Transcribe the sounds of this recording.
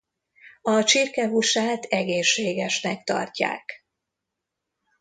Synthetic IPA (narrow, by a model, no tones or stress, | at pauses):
ɒt͡ʃirkɛɦuʃaːt̪ɛɡeːʃːeːɡɛʃnɛkt̪ɒ̰rca̰ːk